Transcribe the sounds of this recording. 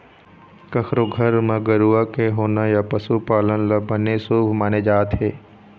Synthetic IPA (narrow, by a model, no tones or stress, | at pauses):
kəkʰɾoɡʱəɾmãɡəɾuːakeɦoːnajapəsupaːlənlabənesuːbmaːned͡ʒaːt̪ɦeː